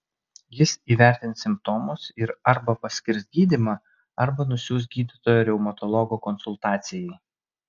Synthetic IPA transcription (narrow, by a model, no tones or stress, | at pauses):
jɪsiːʋʲæˑɾʲt̪ʲɪnt̪sʲɪmp̚t̪ɔːmʊsɪɾɐɾbɐpɐsʲkʲɪɾsɡʲiːd̪ʲimɑ | ɐɾbɐnʊsʲuːs̬t̪ɡʲiːd̪ʲɪt̪oːjoːɾʲɛʊmɐt̪ɔlˠɔɡokɔnsʊlˠt̪ɑːt̪sʲɪjɛɪ